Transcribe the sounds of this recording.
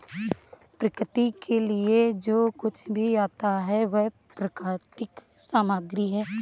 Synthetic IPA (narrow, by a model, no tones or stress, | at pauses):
pɾəkʰt̪ikʰelied͡ʒoːkʊt͡ʃʰbʱiaːt̪aɦɛʋɛɦ | pɾəkaːt̪ɪk | saːmaːɡɾiɦɛː